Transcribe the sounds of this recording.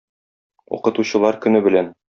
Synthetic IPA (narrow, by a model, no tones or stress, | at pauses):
ṵqɤ̆t̪uɕɤ̆lˠɑɾkɵ̆nɘbɘ̆læn